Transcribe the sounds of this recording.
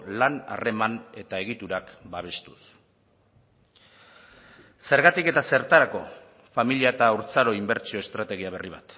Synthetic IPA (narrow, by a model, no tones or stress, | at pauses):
lana̰re̞mane̞t̪ae̞ɣit̪uɾakbaβ̞e̞st̪u̥s | se̞ɾɣat̪ike̞t̪ase̞ɾt̪aɾako̞ | familiaet̪auɾt͡saɾo̞imbe̞ɾt͡ʃio̞e̞st̪ɾat̪e̞ɣ̞iaβ̞e̞riβ̞a̰t̪